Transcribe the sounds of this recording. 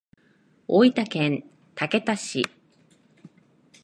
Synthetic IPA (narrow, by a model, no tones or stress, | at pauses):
oit̪akẽ̞n | t̪ake̞t̪aɕḭ